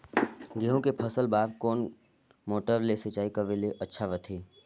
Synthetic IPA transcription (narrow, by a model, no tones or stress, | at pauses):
ɡeːɦõkepʰəsəlbaːb̚koːn | moːʈəɾleset͡ʃaːikəʋeleʔətːʃʰaʋət̪ʰeː